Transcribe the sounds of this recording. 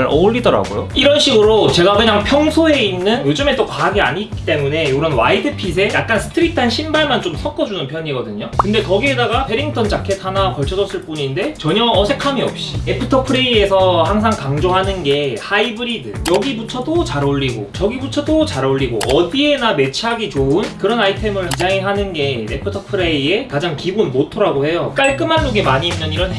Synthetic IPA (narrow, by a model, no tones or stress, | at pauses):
ɾʌʎːidʌɾa̰ɡojoiɾʌnɕʰiɡɯɾot͡ɕe̞ɡaɡɯɲaŋpʰjʌŋsʰoe̞inːɯnjod͡ʑɯme̞t͈okaɦaɡia̰ɲiːk͈i̥t͈e̞mune̞joɡɾʌnwa̰idɯpʰis̬ʰe̞jak̚k͈ansʰɯ̥tʰɯɾitʰɯanɕʰimbaɭmant͡ɕomsʰʌk͈ʌd͡ʑunɯnpʰjʌɲiɡʌdɯɲokɯnde̞kʌɡie̞daɡapʰe̞ɾiŋtʰʌnt͡ɕakʰe̞tʰanakʌɭt͡ɕʰʌd͡ʑʌs͈ɯɭp͈uɲinde̞t͡ɕʌɲʌːsʰe̞kʰamiʌp̚ɕ͈iepʰɯtʰʌpʰɯɾiesʰʌhaŋs̬ʰaŋkaŋd͡ʑoŋɦanɯnɡe̞haibɯɾidɯjʌɡibut͡ɕʰʌdot͡ɕaɾoʎːiɡo̰t͡ɕʌɡibut͡ɕʰʌdot͡ɕaɾoʎːiɡo̰ʔʌdie̞name̞t͡ɕʰaɡit͡ɕoɯnkɯɾʌnaitʰe̞mɯɭhad͡ʑaŋiɦanɯnɡe̞ḛpʰɯtʰʌpʰɯɾeie̞kad͡ʑaŋkiɡunmotʰʌɾaɡohe̞jok͈aɭk͈ɯmanːuɡemaɲiːnnːɯniɾʌn